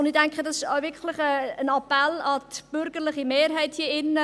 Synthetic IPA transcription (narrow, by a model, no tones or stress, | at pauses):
nditæŋkχədɑsɪʃaʊvɪkʰlɪχəənɑpɛlɑtb̥ʏɾɡ̥əɾlɪχimeːɾɦæɪthiəɪnːə